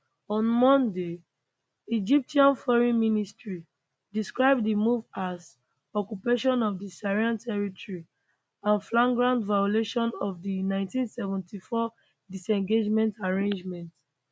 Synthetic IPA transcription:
ɔ̃nmɔ̃nde | id͡ʒip̚tiãnfɔɹĩnministɹi | diskɹaɪb̚dimuvaz | ɔkupeʃɔ̃nɔvdisaɹiãntʰɛɹitɔɹi | ãnflãŋɡɹãndvajɔleʃɔ̃nɔvdinãɪ̃ntĩnsɛvɛ̃ntʰifɔ | disɛ̃ŋɡed͡ʒmɛ̃ntaɹẽnd͡ʒmɛ̃nt

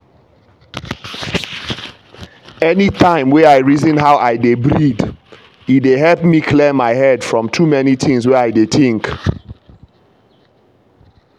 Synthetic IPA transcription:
ɛnitʰãɪ̃mwɛaɪɹizə̃nɦaʊʔaɪdebɹid | ideɦɛlpmikʰlɛmaɪhɛdfɹɔ̃mtʰumɛniθɪ̃ŋswɛaɪdetĩŋk

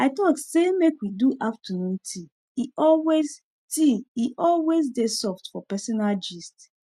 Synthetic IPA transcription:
aɪtɔksemekwiduʔaftʰanũntʰi | iʔɔlwez | tiiʔɔlwezdesɔftfɔpɛsɔnald͡ʒist

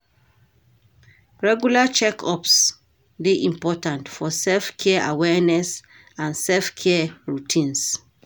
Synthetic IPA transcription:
ɹɛɡjulat͡ʃɛkʰɔps | deʔĩmpɔtãntfɔsɛlfkʰɛʔawɛnɛs | ãnsɛlfkʰɛɹutʰĩns

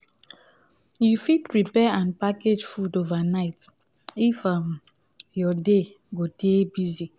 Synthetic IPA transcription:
jufitɹipɛãnpaked͡ʒfudovanaɪt | ifam | jɔde | ɡodebizi

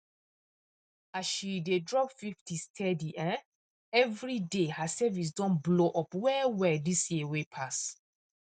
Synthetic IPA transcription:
asʃidedɹɔpfiftistʰɛdiʔɛ̃ | ɛvɹidehasɛvis̬dɔ̃nbloʔɔpwɛwɛdisjiwepʰas

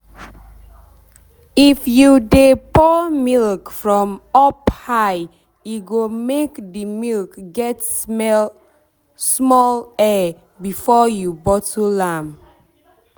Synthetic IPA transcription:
ifjudepɔmilkfɹɔ̃mɔphaɪ | iɡomekdimilkɡɛt | smɔlɛ | bifɔjubɔtʰulãm

